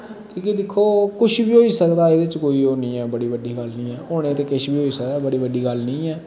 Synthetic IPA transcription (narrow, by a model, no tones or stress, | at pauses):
kõːked̪ɪkʰːoːkʊʃʰbiːɦoːiːsəkd̪aːed̪et͡ʃkoːiːoːniːɛːbəɽiːbəɖiːɡəlnĩːɛːoːnẽːt̪eːkɪʃbʱiːɦoːiːsəkd̪aːbəɽiːbəɖiːɡəlnĩːɛː